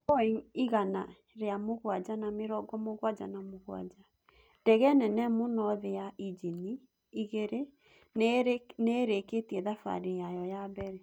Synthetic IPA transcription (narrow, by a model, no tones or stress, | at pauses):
ɔiiɣana | ɾeamoɣwad͡ʑanameɾɔɡɔmoɣwad͡ʒa̰namoɣwa̰d͡ʒa | dɛɣɛnɛnɛmonɔðejaʔid͡ʒini | iɣeɾe | neɾeketiɛðafa̰ɾejajɔjabɛɾɛ